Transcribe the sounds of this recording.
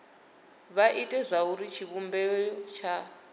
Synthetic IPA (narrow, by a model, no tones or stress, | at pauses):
βaʔitʼɛzʷauɾit͡ʃʰiβumbɛt͡ʃʰa